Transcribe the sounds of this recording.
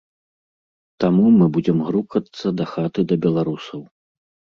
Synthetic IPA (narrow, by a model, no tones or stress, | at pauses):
t̪amumɨbud͡zʲɛmɣɾukɐt̪sːɐd̪ɐxat̪ɨd̪ɐbʲɛlˠaɾusɐw